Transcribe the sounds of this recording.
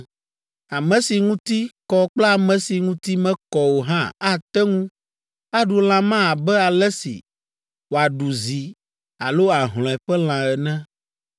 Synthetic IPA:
a˨mɛ̃˨si˨ŋũ˦t̪i˦kɔ˦k͡pla˦˨mɛ̃˨si˨ŋũ˦t̪i˦mɛ̃˦kɔ˨wo˨ɦã˦a˦t̪ɛ˦ŋũ˦ | a˦ɖu˨l̃ã˨mã˦a˨bɛ˦a˨lɛ˦sḭ˨ | wo˨a˨ɖu˨zi˨ | a̰˨lo˦a˨ɦl̃ɔ̃˨ɛ˨ɸɛ˦l̃ã˨ɛ˨nɛ̃˦

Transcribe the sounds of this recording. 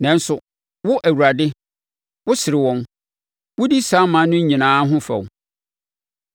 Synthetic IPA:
nɛ̃˨n̩˦sʊ˨ | wʊ˦ʔæ˨wu˨ɾa˨dɪ˦ | wʊ˦sɪ˨ɾɪ˨wɔ̃˦n | wʊ˦di˦sa˨˦mã˨˦nʊ̃˦ɲ̩˦ɲĩ˨nãː˨˦ɦʊ̃˦fɛ̰˨wʊ˨

